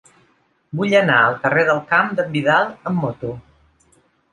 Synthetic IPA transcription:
buʎənaəlˠkəreðəlˠkamd̪əmbiðalˠəmːot̪u

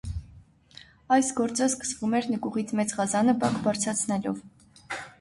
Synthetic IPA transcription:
ɑjsɡɔɾt͡səskə̥svumɛɾnəkuʁit͡sʰmɛt͡sʁɑzɑnəbɑkbɑɾt͡sʰɾɑt͡sʰnɛlɔv

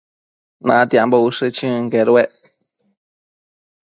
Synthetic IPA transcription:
nã̰t̪jambouʂɨt͡ʃɨ̃ŋkeɾueʔ

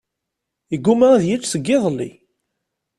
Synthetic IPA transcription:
əɡːumaæðjæt͡ʃːsəɡːɪðˤlːḭ

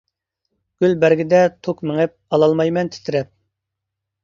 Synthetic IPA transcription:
ɡ̥ʲylbæɾɡʲɪd̪ɛt̪ʰokmɪŋɪp̚ɑlˠɑlˠmɑjmɛnt̪ʰɪ̥t̪ʰɪɾɛp̚

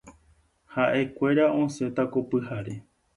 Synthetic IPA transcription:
haʔe̞kʷe̞ɾaõ̞sẽ̞t̪ako̞pɨhaɾe

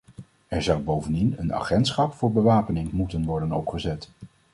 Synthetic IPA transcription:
ɛɹzʌwbowvəndinəna̰ːχɛntsχɑpfʊːɹbəʋaːpənɪŋmutənʋɔɹdənɔ̰pχəzɛt

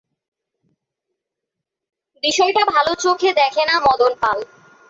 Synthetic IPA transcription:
biʃɔjʈabʱalot͡ɕokʰed̪ɛkʰenamɔd̪onpal

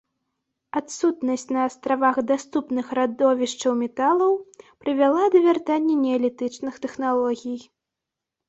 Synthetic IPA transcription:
at̪sut̪nɐsʲt͡sʲnɐːst̪ɾavaxd̪ast̪upnɨxɾad̪ɔvʲiʂt͡ʂɐwmʲɛt̪alˠɐwpɾɨvʲalˠad̪ɐvʲart̪anʲːɛnʲɛɐlʲɛt̪ɨt͡ʂnɨxt̪ɛxnalˠɔɣʲij

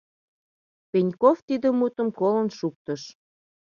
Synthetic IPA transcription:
penʲkoft̪id̪əmut̪ə̆mkolə̆nʃuk̚t̪əʃ

